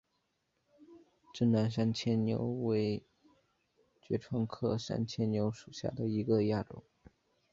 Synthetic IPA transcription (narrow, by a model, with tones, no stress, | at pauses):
ʈ͡ʂə˥˩nna˧˥nʂ̬a˥nt͡ɕʰjɛ˥nnjo̰˧˥ʊwe˧˥ɪ | t͡ɕɥɛ˧˥ʈ͡ʂʰwɑ˥ŋkʰɤ˥˧ʂa̰˥nt͡ɕʰjɛ˥nnjo˧˥ʊʂu˨˩ɕja̰˥˩d̪ə˩i˧˥ɡə˧ja˥˩ʈ͡ʂʊ̰˨˩˦ŋ